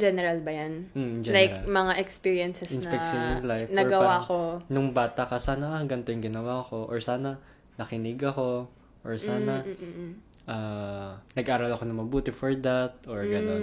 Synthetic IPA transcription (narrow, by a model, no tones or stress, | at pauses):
d͡ʒɛnɛɾalbɐjanm̩d͡ʒɛlajkmɐŋaʔɛkspiːɹijɐnsɛsɪnsnɐpɛkʃonɪnlajfnɐɹɡɐwakonʊŋbaːt̪ɐkɐsaːnɐʔɐŋɡɐnt̪ojʊŋɡɪnɐwaːko̞ʔoɹsaːnɐ | nɐkɪnɪɡɐko̞ | ʔoɹsaːnɐ | ʔaːnɐɡʔaːɾɐlɐko̞nɐŋmɐbuːt̪ɛfɔɹd̪at̪̚ʔoɹɡɐon